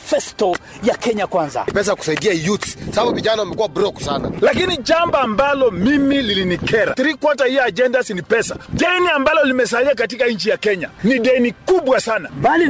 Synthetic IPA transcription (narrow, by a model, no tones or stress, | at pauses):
fɛstɔ | jakɛɲakwanza̰pɛs̬aaku̥saiɗiajutsababuviʄanawamɛkuabɾɔksana̰lakiniʄambaːmbalɔmimililinikɛɾa̰tiɾikwɔtahijɔad͡ʒɛndasinipɛsa̰ɗɛniambalɔlimɛs̬aliak̬at̬ikaɲ̩t͡ʃijakɛɲaniɗɛnikuɓwasana̰bali